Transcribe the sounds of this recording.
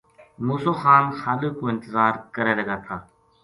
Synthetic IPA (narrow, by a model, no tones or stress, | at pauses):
muːsoːxaːnxaːliːkoːɪnt̪ɪzaːɾkəɾeːləɡaːt̪ʰaː